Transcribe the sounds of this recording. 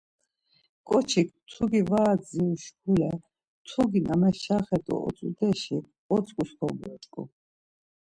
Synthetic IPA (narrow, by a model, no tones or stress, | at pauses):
kʼɔt͡ʃʰik̚t̪ʰuɡivaːd̪ziuʃkʰulɛ | t̪ʰuɡinamɛʃaχɛt̪ʼɔ̰ɔ̰t͡s̪ʼṵd̪ɛʃi | ɔt͡sʼkʼuskʰɔɡɛt͡ʃ̪ʼkʼṵ